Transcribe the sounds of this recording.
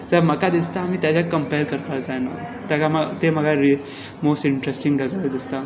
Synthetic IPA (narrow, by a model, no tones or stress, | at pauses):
d͡zəɾməkad̪ist̪aːmiːt̪jat͡ɕjakəmpajɾkəɾkad͡zajna̰ | t̪jakamat̪em̤əɡaɾi | mosʈiɳʈɾesʈiŋɡəd͡zald̪ist̪a